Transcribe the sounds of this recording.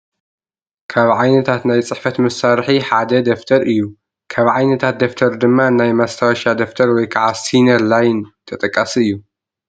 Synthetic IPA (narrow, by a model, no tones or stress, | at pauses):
kʰaβʕajnɐt̪ʰat̪najt͡sʼɨħfɐt̪mɨsaɾħiħad̪ɐd̪ɐft̪ʰɐɾʔɨjːu | kʰaβʕajnɐt̪ʰat̪̚d̪ɐft̪ʰɐɾd̪ɨmːanajmast̪ʰawʃad̪ɐft̪ʰɐɾwɔjkʰaʕasinɐɾlajnt̪ʰɐt̪ʼɐkʼːasiɨjːu